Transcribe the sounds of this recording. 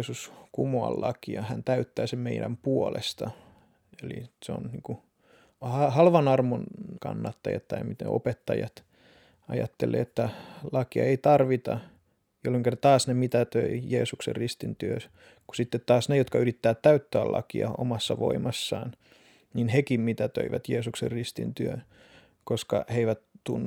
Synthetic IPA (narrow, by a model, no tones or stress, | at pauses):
suskumoɑllɑkiɑhænt̪æyt̪ːæːsemmeidæmpuolḛst̪ɑ | elḭseo̰nniːŋku | hɑhɑlʋɑnɑrmonkɑ̰nːɑt̪ːɑjɑ̰t̪tːɑimit̪ḛ̃o̰pet̪ːɑjɑt̪ | ɑjɑt̪ːelːḛːet̪ːælɑkiɑ̰eit̪ɑrʋit̪ɑ | jolːeŋkerɑt̪ɑːsnemit̪æt̪øijeːsuksḛrrist̪int̪yøs | ku̥sit̪ːet̪t̪ɑːsnejot̪kɑyrit̪ːæːt̪t̪æyt̪ːøːlʔɑ̰kiɑ̰omɑsːɑʋo̰imɑsːɑːn | ninhekimmit̪æt̪ø̰iʋæt̪jeːsuksḛrrist̪int̪yø | koskɑheiʋæt̪t̪unː